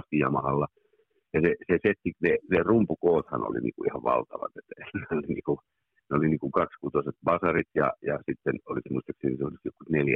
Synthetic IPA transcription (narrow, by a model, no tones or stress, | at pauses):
st̪ijɑ̰mɑhɑlːɑ | jɑseseset̪ːinenerumpukoːt̪hɑ̰no̰lḭnḭːŋkuihɑʋʋɑ̰lt̪ɑʋɑ̰t̪et̪ːæenolinḭːku | neoliniːkuŋkɑkskut̪oset̪̚pɑsɑrit̪jɑ̰jɑsit̪ːenoliksmuist̪ɑksenisoliksjokːut̪neljæ